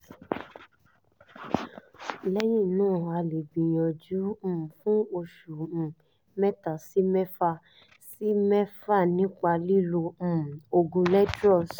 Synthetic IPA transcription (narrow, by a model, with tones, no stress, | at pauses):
lɛ˦jĩ˦˨nãː˦˨a˧le˨ɡ͡bĩ˨j̃ɔ̃˨d͡ʒũ˨˦˨fũ˦o˧ʃũ˨ | mɛ˦ta˨si˨˦mɛ˦fa˦˧ | si˦mɛ˦fa˦˨nĩ˦k͡pa˧li˦lõ˧˦˨o˧ɡũ˧lɛ˦dɾɔ˦˨s